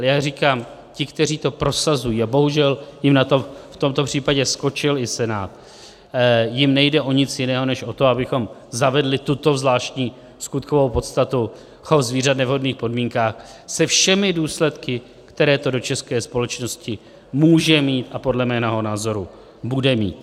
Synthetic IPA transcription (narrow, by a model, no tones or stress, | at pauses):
ʔaɛjaːriːkaːm | cɪkt̪ɛr̝iːt̪o̞pɾo̞sazujiːabo̞ɦuʒɛljɪmnat̪o̞ft̪o̞mt̪o̞pr̝̥iːpaɟɛsko̞t͡ʃɪlɪsɛnaːt̪ | jɪmnɛjdɛʔo̞ɲɪt͡sjɪnɛːɦo̞nɛʃʔo̞t̪o̞abɪxo̞mzavɛdlɪt̪ut̪o̞vzlaːʃcɲiː | skut̪̚kovo̞wpo̞t̪st̪at̪u | hozviːrat̪nɛvɦo̞dniːxpo̞dmiːŋkaːxsɛfʃɛmɪduːslɛt̪kɪ | kt̪ɛɾɛːt̪o̞do̞t͡ʃɛskɛːspo̞lɛt͡ʃno̞scɪ | muːʒɛmiːt̪ʔapo̞dlɛmɛːnɛɦo̞naːzo̞ɾu | budɛmḭːt̪̚